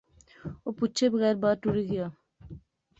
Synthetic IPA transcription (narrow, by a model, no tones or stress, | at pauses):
opʊtːt͡ʃʰebəɣɛːɾbaːʈ̪uɾiɡɪjaː